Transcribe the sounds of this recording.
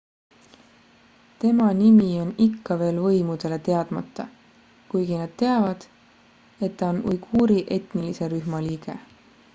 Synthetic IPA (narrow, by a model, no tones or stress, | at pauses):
t̪e̞mɑnimio̞nikːɑve̞ːlvɤ̞jmud̪̥e̞le̞t̪e̞ɑd̪̥mɑt̪ˑːɑ | kujɡ̥inɑd̪̥̚t̪e̞ɑvɑd̪̥ | e̞t̪ːɑonujɡ̥uːɾiʔe̞t̪nilise̞ɾyɦmɑliːɡ̥e̞̰